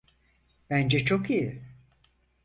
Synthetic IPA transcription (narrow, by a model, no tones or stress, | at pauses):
b̥ænd͡ʒɛt͡ʃʰo̞kiji